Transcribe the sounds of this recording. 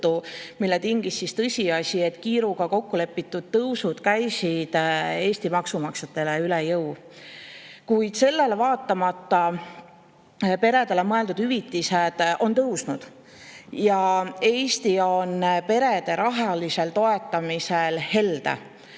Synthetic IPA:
t̪ːumilːet̪iŋɡ̥isːist̪ɤsʲiɑsʲie̞t̪ːˑkiːɾuɡ̥ɑko̞kːule̞pːˑit̪ːˑud̪̥̚t̪ɤwsud̪̥kæjsid̪̥e̞ːsʲt̪imɑksumɑkset̪ːˑe̞leylejɤw | kujd̪̥se̞lːe̞levɑːt̪ˑːɑmɑt̪ːɑ | pe̞ɾe̞d̪̥e̞lemɤe̞ld̪ud̪̥hyvit̪ːised̪̥o̞nt̪ɤwsnud̪̥ | jɑe̞ːsʲt̪io̞npe̞ɾe̞d̪e̞ɾʔɑɦɑlise̞lt̪o̞e̞t̪ːˑɑmiselhe̞ld̪ḛ

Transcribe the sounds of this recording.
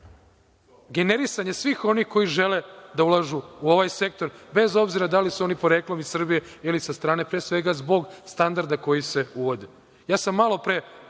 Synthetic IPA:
ɡe̞ne̞ɾisaɲe̞sʋiːxo̞nixko̞jiʒe̞le̞d̪aulˠaʒuuo̞ʋajse̞k̚t̪o̞ɾbe̞zo̞bziɾad̪alisuo̞nipo̞ɾeklo̞misr̩bije̞ilisast̪ɾaːne̞pɾesʋe̞ɡazbo̞ɡst̪and̪aɾd̪ako̞jise̞uʋo̞d̪e | jaːsamːalˠo̞pɾe

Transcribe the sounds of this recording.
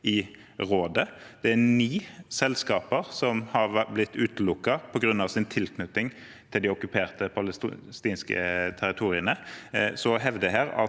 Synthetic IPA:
ʔɪ | ʁoːd̪əd̪̥ɛæniːsɛlskɑːpəʁsɔmhɑʁʋblɪt̪ʰːʉːt̪əlʊkːɑpʰɔɡɾʉnːɑʋsɪnt̪ʰɪlkʰnʉt̪ːɪŋ | t̪ʰɪld̪ɪɔkʉpʰeːʁt̪əpʰɑlst̪iːnskə̰t̪ʰæɾɪt̪ʰuːʁɪənəsɔɦɛʋd̪əɦeːʁɑ̰

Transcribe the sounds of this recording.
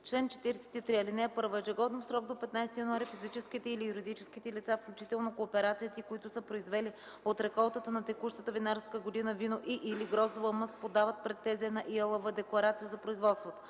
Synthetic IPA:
t͡ʃlɛnt͡ʃɛ̥t̪iɾɛsɛ̥t̪it̪ɾiɐlinɛɛpɤɾvɛʒɛɡɔd̪ɛnfsɾɔɡ̚d̪opɛt̪najst̪ijɐnoaɾifizit͡ʃɛskit̪ɛilijuɾid̪it͡ʃɛskit̪ɛlit̪safklʲut͡ʃit̪ɛlˠnokoːpɛɾat̪sijət̪ikoit̪ʊsəpɾoizvɛli | ot̪ɾɛkɔlˠt̪ət̪ənɐt̪ɛkuʃt̪ət̪əvinaɾskəɡod̪inəvinoʔiʔiliɡɾɔzovəməs̚pod̪avət̪̚pɾɛt̪ːɛzɛnɐʔiɛlˠəvəd̪ɛklˠɐɾat̪sijəzɐpɾoizvɔt̪st̪vot̪o̥

